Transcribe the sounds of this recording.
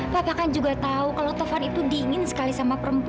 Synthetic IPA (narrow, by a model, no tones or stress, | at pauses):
bapakand͡ʒuɡat̪aukalat̪ɔfanit̪udiːŋɪnsə̥kalisamapəɾəmp